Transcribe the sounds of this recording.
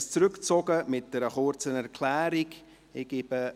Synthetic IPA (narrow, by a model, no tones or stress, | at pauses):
st͡sɾʏkt͡sɔɡəmɪt̚d̥ɛɾəχʊɾt͡sənɛɾkʰl̥æːɾiɡ | ɪɡ̥eb̥ə